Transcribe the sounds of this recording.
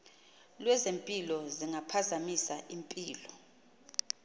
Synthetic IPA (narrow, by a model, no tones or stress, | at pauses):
lwɛzempʼilɔziŋapʰazamisaʔimpʼiːlɔ